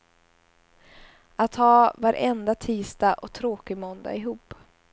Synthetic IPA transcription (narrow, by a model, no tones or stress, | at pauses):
ʔat̪hɑːvaɾʔɛnd̪at̪ʰiːst̪aʔɔt̪ʰɾoːkɪmɔnd̪a̰ɪɦuːp